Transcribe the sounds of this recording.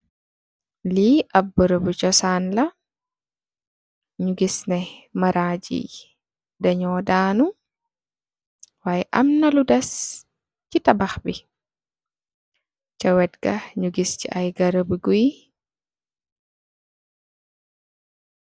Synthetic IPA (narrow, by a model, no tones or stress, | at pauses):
liʔɐbːəɾəbut͡ʃɔsaːnlɐ | ɲuɡisnɛmaɾaːd͡ʒḭ | dɐɲɔːdaːnu | waːjɛʔɐmnɐludɐs | citabaxbi | t͡ʃawɛtɡɐɲuɡiscḭʔajɡaɾəbuɡuj